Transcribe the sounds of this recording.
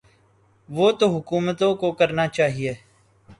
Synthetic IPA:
ʋoːt̪oɦʊkuːmət̪õːkokəɾnaːt͡ʃaːɦieː

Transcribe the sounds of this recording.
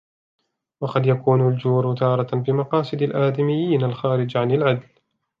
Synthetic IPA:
wɑqɑd̪jakuːnald͡ʒuːɾt̪ɑːɾˤɑbɪmɑqɑːsˤɨd̪alʔaːd̪ɪmɪjːiːnalxaːɾɪd͡ʒʕanɪlʕad̪l

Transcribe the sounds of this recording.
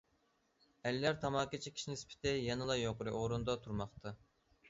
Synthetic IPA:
ælːæɾt̪ʰɑmɑːkit͡ʃʰikʲʰi̥ʃinɪspʰɪ̥t̪ʰɪjɛnɨlˠɑjoqʊɾɨʔoɾund̪ɑt̪ʰuɾmɑχt̪ʰɑ

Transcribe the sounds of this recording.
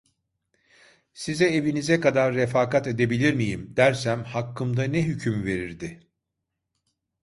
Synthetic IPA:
sizɛevinizɛkad̪aɾːefaːkat̪e̞d̪e̞bilʲiɾmijimd̪̥æɾsæmhakʰːɯmd̪anɛɦycʰymve̞ɾiɾd̪ɪ

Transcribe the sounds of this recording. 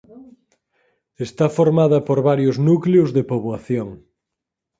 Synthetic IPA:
est̪afoɾmaðɐpoɾβaɾjʊznukleʊzðepoβwaθjoŋ

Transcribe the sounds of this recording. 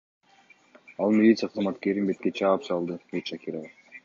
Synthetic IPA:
ɑlˠmʲilʲit̪sɨjaqʰzmɑt̪ke̞ɾinbe̞t̪̚ket͡ʃʰɑːpsɑlˠd̪ɯɡeʃakʲiɾovə

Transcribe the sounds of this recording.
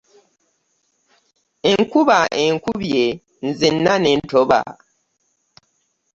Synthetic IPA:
eŋkuβaʔeŋkuβje | n̩zinːanentʰoβa̰

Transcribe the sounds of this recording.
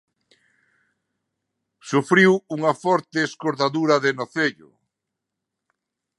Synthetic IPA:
sufɾiwuŋɐfɔɾt̪eːskoɾðaðuɾɐðenoθeʎʊ̰

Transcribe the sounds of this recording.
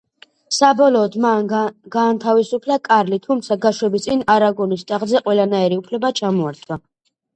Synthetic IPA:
sabɔlɔːd̪manɡaːnt̪ʰavisupʰlakʼaɾlit̪ʰumt̪sʰaɡaʃwɛbist̪sʼinaɾaɡɔnist̪ʼaʁzɛqʼwɛlanaɛɾiupʰlɛbat͡ʃʰamɔaɾt̪ʼʰwa

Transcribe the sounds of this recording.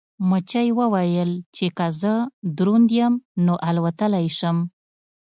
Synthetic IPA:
mət͡ʃajwəwajəlt͡ʃekazəd̪ɾund̪jəmnoʔalwat̪əlajʃəm

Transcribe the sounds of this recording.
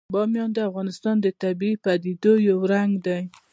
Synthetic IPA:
bɑmjɑnd̪əafɣɑnɪst̪ɑnd̪ət̪abiipad̪id̪ojawɾaŋɡd̪aj

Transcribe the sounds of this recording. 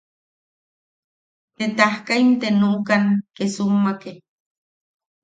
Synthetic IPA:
t̪et̪ahkaimt̪enukaŋkesumːake

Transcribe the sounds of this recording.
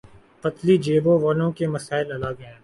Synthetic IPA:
pɐt̪lid͡ʒeːbõʋaːlõkemɐsaːɪlɐlaɡɛ̃ː

